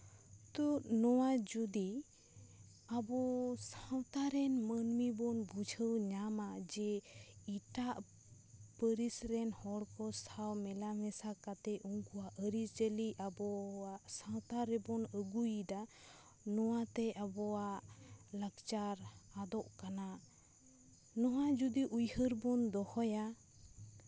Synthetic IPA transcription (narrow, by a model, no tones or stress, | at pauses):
t̪uʔnɔwad͡ʒud̪i | abɔsawt̪aɾɛnmənmibɔnbud͡ʒʱəwɲamad͡ʒɛiʈaʔ | pəɾisɾɛnhɔɽkɔsawmɛlamɛsakat̪ɛʔuŋkuaʔəɾisd͡ʒəliabɔaʔsãt̪aɾɛbɔnəɡujd̪a | nɔwat̪ɛʔabɔwaʔlakt͡ʃaɾad̪ɔʔkana | nɔɦad͡ʒud̪iʔujhəɾbɔnd̪ɔhɔja